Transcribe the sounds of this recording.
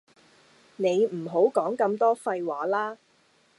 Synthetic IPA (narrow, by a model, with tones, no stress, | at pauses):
ne˨˧jm̩˨˩ɦo˨˥wkɔː˨˥ŋkɐ˧mt̪ɔː˥fɐ˧jwaː˨˥laː˥